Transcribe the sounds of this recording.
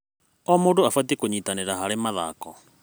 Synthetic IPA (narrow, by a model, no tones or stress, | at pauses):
ɔmoːdoafwatekoɲiːtaneɾaɦaɾemaða̰kɔ